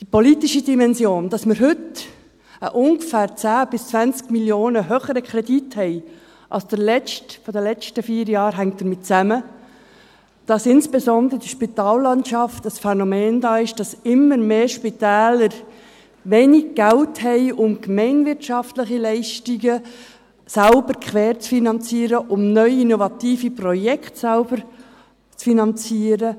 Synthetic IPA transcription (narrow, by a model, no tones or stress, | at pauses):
d̥ipɔlitiʃidimɛnsjoːnd̥ɑsməɾɦʏt | əʔʊŋɡfæːɾt͡sæːb̥ɪst͡svænt͡skmiljoːnəɦøːχəɾəkχɾɛdithɛɪ | ʔɑ̰lsd̥əlɛt͡ʃtfɔdəlɛt͡ʃtəfiːɾjɑːɾɦæŋt̚d̥əɾmɪt̚t͡sæmə | d̥ɑsɪnsb̥ɛsɔnd̪əɾəd̥iʃpitɑːlːɑntʃɑftəsfɛnomeːndɑːɪʃd̥ɑsɪmːəɾmeːʃpitɛːləɾ | veːnɪɡ̚ɡ̥ɛlthɛɪʔʊmkmɛɪnvɪɾtʃɑftlɪχilɛɪʃtiɡə | sælbəɾkʰʋɛːɾt͡sfinɑnt͡siːɾəʔʊmnœʏinovɑtiːfiprɔjɛkʰtsalb̥əɾ | t͡sfinɑnt͡siːɾə